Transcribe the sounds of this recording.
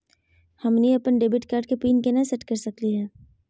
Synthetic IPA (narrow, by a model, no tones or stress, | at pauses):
hɐmniɐpənɖeːbɪʈkaːɾɖkepiːnkenasɛʈkɐɾsɐkliɦɛ̃ː